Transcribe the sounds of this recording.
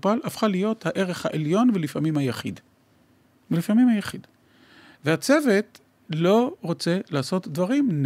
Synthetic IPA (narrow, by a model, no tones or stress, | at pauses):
palafχalijo̞thaʔe̞ʁeχhaʔeljo̞nvelifamimhajaχḭd | vlifamimhajaχid | vehat͡se̞ve̞t | lo̞ʁot͡se̞laːso̞tdvaʁimn